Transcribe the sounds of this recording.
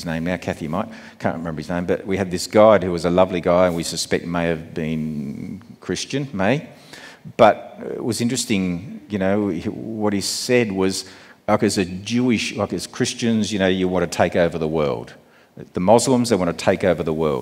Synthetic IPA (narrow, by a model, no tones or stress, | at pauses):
znẽɪ̃mnaʊkʰæθimaɪt̚ | kʰæ̰̃n̚ʔɹɨmɛ̃mbə˞ɨznẽɪ̃mbʌʔ̚wiɨd̪̚ðɪsɡ̥aɪd̚hʉwʌzəlʌvliɡaɪɨ̃nwisɨspɛk̚t̚meɪɨvbĩn | kʰɹ̥ɪst͡ʃɨ̃nmeɪ | b̥ʌt̚ɪ̰ʔ̚wʌzɪ̃nt͡ʃɹ̥ɨstɪ̃ŋjɨnoʊwʌt̚hisɛd̚wʌz̥akɨzðɨd͡ʒʉɪʃlaɪkɨz̥kʰɹ̥ɪst͡ʃɨ̃nzjɨñoʊjɨwɑ̃nʰɨtʰeɪkoʊvə˞ðəwɜ̰˞lˠd̥ | ðəmɑzlə̃mzðeɪwɑ̃ntʰɨtʰeɪkoʊvə˞ðəwɜ̰˞lˠ